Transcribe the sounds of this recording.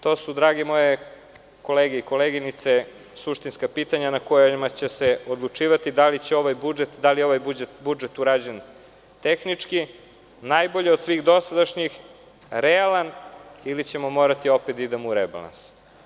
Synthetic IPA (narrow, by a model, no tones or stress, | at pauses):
t̪o̞ːsud̪ɾaːɡemo̞je | ko̞leːɡeiko̞leɡinit̪se | suʃt̪inskapiːt̪aɲanakojmat͡ɕeseod̪lˠut͡ʂiːʋat̪id̪alit͡ɕeo̞ʋajbud͡ʒet̪d̪alijeo̞ʋajbud͡ʒet̪bud͡ʒet̪uɾaːd͡ʑen | t̪exnit͡ʂki | najbo̞ʎeo̞d̪sʋiɣd̪o̞sad̪aʃɲix | ɾealanilit͡ɕe̞mo̞mo̞ɾat̪io̞pet̪id̪emuɾeba̰la̰ns